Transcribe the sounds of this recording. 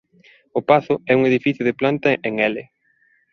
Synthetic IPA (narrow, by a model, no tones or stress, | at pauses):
ʊpaθʊɛuŋeðifiθjʊðɪplant̪ɐʔeŋɛlɪ